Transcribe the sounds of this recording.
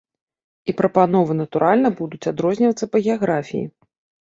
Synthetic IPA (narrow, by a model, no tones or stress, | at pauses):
ipɾɐpanɔvɨnɐt̪uɾʔalʲnɐbud̪ut͡sʲad̪ɾɔzʲnʲivɐt̪sːɐpɐɣʲɛaɣɾafʲijḭ